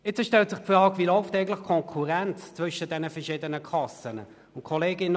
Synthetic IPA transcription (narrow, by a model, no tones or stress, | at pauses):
ɪt͡səʃtɛltsɪχfrɑːɡvilɔʊftɛɪɡn̩tlɪχkʰɔŋkʰuʁɛnt͡st͡svʏʃəd̥ɛnəfɛɐʃɪːdənəkʰlɑsənə | ʊnt̚kʰɔleːɡɪnə